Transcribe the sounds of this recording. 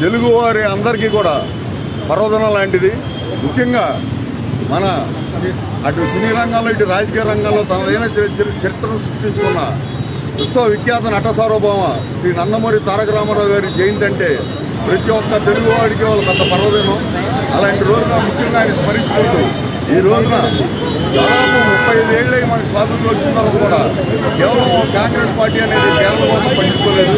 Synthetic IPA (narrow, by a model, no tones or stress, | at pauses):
t̪e̞luɡuʋaːɾiɐnd̪ɐɾik̬iːkuːɽaː | pɐɾɔːd̪ɐnɐmɐlaːɳʈid̪i | mukʰːjɐŋɡaː | mɐnɐ | siː | ʈusiniːɾɐŋɡaːloːiʈuɾaːd͡ʒɐkijɐɾɐŋɡɐːlo̞ːt̪ɐnɐd̪ɐjnaːt͡ʃɐɾit̪ɾɐmsɾuʂʈiɲt͡ʃukunːɐ | ʋiʂʋɐʋikjaːt̪ɐnɐʈːɐsaːɾɔːbaːmɐ | sɾiːnɐnd̪ɐmoːɾit̪aːɾɐkɐɾaːmɐɾaːwuɡaːɾd͡ʒeːjind̪ɐɳʈe̞ː | pɾɐt̪iwɔkːɐt̪e̞luɡuʋaːɽik̬iːʋaːlːɐk̪ɐt̪ːɐpɐɾɐʋɐd̪eːnoː | ɐlaːɳʈiɾo̞ːd͡ʒunɐːmukʰːjɐŋɡaːnismɐɾiɲt͡ʃukuɳʈuː | iːɾo̞ːd͡ʒunɐ | d̪aːd̪aːpumupːɐjed̪e̞ːɭːɐjmɐnɐkiswaːd̪ʱɐnt̪lɐt͡ʃːint̪ɐlːɐk̪ɐkuːɽaː | kɛːʋɐɭɐmkaːŋɡɾe̞ːspaːɾʈiːɐne̞ːd̪ikɛːɾɐɾɐkosɐmpɐɳɖiɲt͡ʃukɔːleːɾu